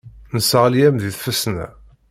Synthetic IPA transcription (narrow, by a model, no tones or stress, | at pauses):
nəsəʁljæmðiθfəsnæ̰